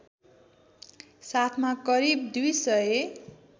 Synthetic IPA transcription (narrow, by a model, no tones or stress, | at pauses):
sat̪ʰmakʌɾibd̪ujsʌe